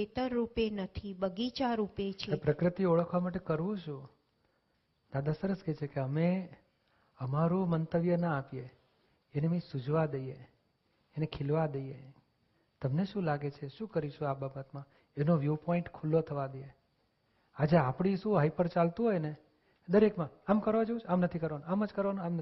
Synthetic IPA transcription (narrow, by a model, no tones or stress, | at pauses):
et̪əɾːupenət̪ʰibəɡit͡ʃaɾupet͡ʃʰeepɾəkɾət̪ioɭəkʰʋamaʈekəɾʋũt͡ʃʰũ | d̪ad̪ʱasəɾəsket͡ʃʰekeəme | əmaɾũmənt̪əʋjənaapjeː | nemĩsud͡ʒʋad̪əje | enekʰɪlʋad̪əje | t̪əmneʃũlaɡet͡ʃʰeʃũkəɾiʃũababət̪mã | enoʋjupɔɪ̃ɳʈkʰulːot̪ʰəʋad̪əje | ad͡ʒeapɽisũɦaipəɾt͡ʃalt̪ũɦojne | d̪əɾekmãamkəɾʋad͡ʒoũt͡ʃʰamnət̪ʰikəɾʋanoaməd͡ʒkəɾʋanoamnə